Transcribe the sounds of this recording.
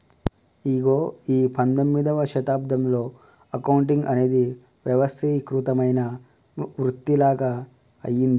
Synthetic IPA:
iɡoːiːpɐnd̪omːid̪ɐʋɐʃɐt̪aːb̚d̪ʱɐmlo̞ː | ɐkɐwuɳʈ̬iŋɡɐne̞ːd̪i | ʋjɐʋɐst̪ʰiːkɾut̪ɐmɐjnɐ | ʋɾut̪ːilaːɡɐ̰ː | jind̪i

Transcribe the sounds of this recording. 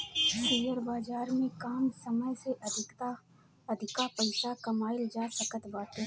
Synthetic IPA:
siːjəɾbaːd͡ʒaːɾmẽkaːmsɐməjseʔ | ɐd̪ʱɪkapɐɪsakɐmaːɪld͡ʒaːsəkət̪baːʈ̪e

